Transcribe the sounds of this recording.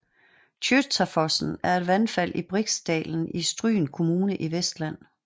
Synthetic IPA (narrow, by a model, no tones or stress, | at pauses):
t͡ɕʰyd̥t͡sʰæfɒsn̩æɐe̝d̥ʋænfæl̰ʔib̥ʁiɡ̥sd̥ɛ̰ːln̩isd̥ʁy̰ːnkʰo̝muːnəʔiʋesd̥læn̰